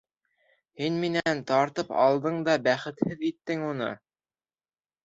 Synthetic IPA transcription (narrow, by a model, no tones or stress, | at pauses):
hinminænt̪ɑɾt̪ɤpɑ̰lˠd̪ɤɴd̪ɑbæχɘ̆t̪hɘðit̪ːɘŋunɤ̰